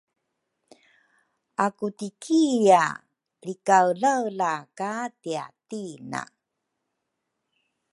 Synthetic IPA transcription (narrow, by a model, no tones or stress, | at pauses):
akutikʰija | ɾikawlawlakatia̰tina̰